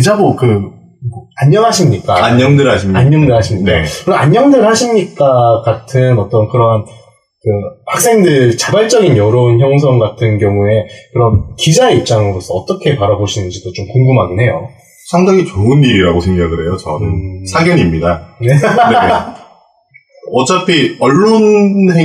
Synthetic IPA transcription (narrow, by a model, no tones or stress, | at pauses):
id͡ʑabokɯ | aɲːʌŋɦaɕʰimɲik͈aaɲɲʌŋdɯɭhaɕʰimɲaɲɲʌŋdɯɭɦhaɕʰimɲinakɯɾaɲːʌŋdɯɭhaɕʰimɲik͈akatʰɯnʌt͈ʌnkɯɾʌn | kɯhak̚s͈eŋdɯɾt͡ɕabaɭt͡ɕ͈ʌɡinjʌɾonçjʌŋs̬ʰʌŋɡatʰɯnɡjʌŋue̞kɯɾʌnkid͡ʑaip̚t͡ɕ͈aŋɯɾosʰʌʌt͈ʌkʰe̞paɾaboɕʰinɯnd͡ʑidot͡ɕomkoŋɡumɦaɡinɦe̞jo | sʰaŋdaɡit͡ɕoɯnːiɾiɾaɡosʰe̞ŋɡaɡɯɾe̞jot͡ɕʌnɯnsʰaɡjʌnimɲidane̞ | ʌt͡ɕ͈ʌpʰiʌɭːonhe